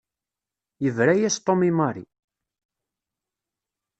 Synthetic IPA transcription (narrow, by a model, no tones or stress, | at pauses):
jəvɾæjæst̪ˤomimɑɾḭ